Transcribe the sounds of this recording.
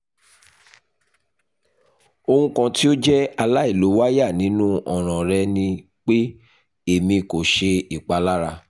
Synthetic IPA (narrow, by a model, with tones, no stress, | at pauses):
o˧hũ˦kã˧ti˦o˦d͡ʒɛ˦a˧la˦i˦˨lo˨˦wa˦ja˦˨nĩ˨˦nũ˦ɔ˦˨ɾ̃ɔ̃˨ɾɛ˧nĩ˧ | k͡pe˦ | e˦˨mĩ˧ko˨ʃe˧i˨k͡pa˨˦la˦ɾa˧